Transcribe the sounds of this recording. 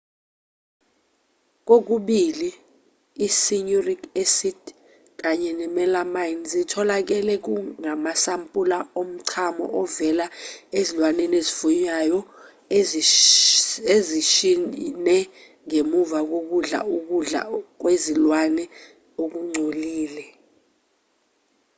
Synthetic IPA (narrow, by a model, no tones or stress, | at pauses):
k̬ok̬uɓiliː | siɲorikʰesid | k̬aɲɛnɛmɛlamajnzitʰɔlak̬ɛlɛk̬uŋamasampʼulaom̩ǀʰamɔ̰ʔɔvɛlaezilwanɛnezifuɲajɔ | eziʃinɛ | ŋemuvak̬ok̬uɮa̰uk̬uɮa̰k̬wezilwanɛ | ok̬uŋ͡ǀʱoliːlɛ